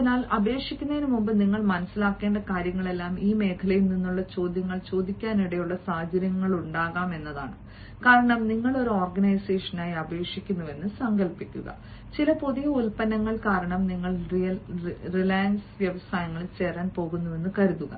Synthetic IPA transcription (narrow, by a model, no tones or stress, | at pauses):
inaːlɐbe̞ːkʂikʲːunːɐinumːumbɨniŋːɐɭmɐnɐsːilaːkːeːɳɖɐkaːɾjɐŋːɐɭe̞lːaːmiːme̞ːkʰɐlɐjilninːuɭːɐt͡ɕo̞ːd̪ʱjɐŋːɐɭt͡ɕo̞ːd̪ʱikʲːaːniɽejuɭːɐsaːd͡ʑɐɾjɐŋːɐɭuɳɖaːɣaːme̞nːɐða̰ːɳɨ | kaːɾɐɳɐmniŋːɐɭo̞ɾuoːrɡɐnɐjseːʂɐnaːjiɐbe̞ːkʂikʲːunːɐʋe̞nːɨsɐŋɡɐlpikʲːṵɣɐ̰ | t͡ɕilɐpoðijɐulpɐnɐŋːɐɭkaːɾɐɳɐmniŋːɐɭ | rilaːjɐnsʋjɐʋɐsaːjɐŋːɐɭilt͡ɕe̞ːraːnpo̞ːɣunːuʋe̞nːɨkɐɾuðuɣɐ̰